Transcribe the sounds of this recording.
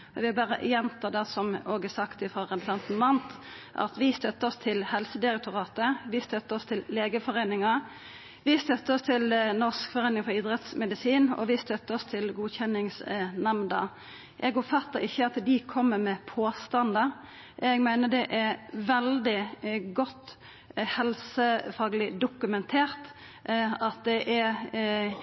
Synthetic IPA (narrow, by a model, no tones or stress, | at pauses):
ɔʋɪɑbæːɾə̰jɛnt̪ʰɑːd̪ɛsɔmoːɡəsɑkt̪ɪfɾɑːʁɛb̪sɑnt̪n̩mɑnt̪ | ʔɑ̰t̪ʋɪst̪œt̪ːəɔst̪ʰɪlhɛlsəd̪ɪɾɛk̚t̪ʊʁɑːt̪əʋɪst̪œt̪ːəɔst̪ʰɪlːeːɡəfɔɾeːnɪŋɑ | ʋɪst̪œt̪ːəɔst̪ʰɪlnɔskfɔʁeːnɪŋfɔɾɪːd̪ɾɛt̪smɛd̪ɪsiːnɔ̰ʋɪst̪œt̪ːəɔst̪ʰɪlɡuːçɛnɪŋsnɛmnd̪ɑ̰ | ʔɛɡɔpfɑt̪ːəɾɪçːəɑt̪d̪ɪkʰɔmːəmɛpʰoːst̪ɑnd̪ə | ɛɡmæɪnəd̪ɛʔæɾʋɛld̪ɪɡɔt̪ː | hɛlsəfɑːɡəlɪd̪ʊkʉmɛnt̪ʰeːɾt̪ | ɑt̪̚d̪ɛʔɛ